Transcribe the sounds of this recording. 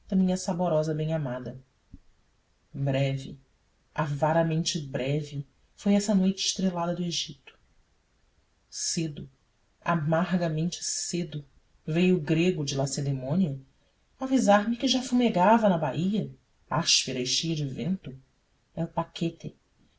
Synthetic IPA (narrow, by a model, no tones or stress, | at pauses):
d̪̥ɐmĩɲɐsaboɾɔzɐbẽj̃amad̪ɐ | bɾɛvɪ̰ | avaɾɐmẽnt͡ʃɪbɾɛvɪ | fojɛsɐnojt͡ʃɪ̥ʃt̪ɾelad̪ɐd̪ʊeʒit̪ʊ̥ | sed̪ʊ | a̰maɦɡɐmẽnt͡ʃɪ̥sed̪ʊ | vejʊɡɾeɡʊd͡ʒɪlased̪emõniɐ | avizaɾmɪkɪʒafumeɡavɐnɐbaiɐ | aʃpeɾɐɪʃejɐd͡ʒɪvẽnt̪ʊ | ɛʊpakʰet̪ɪ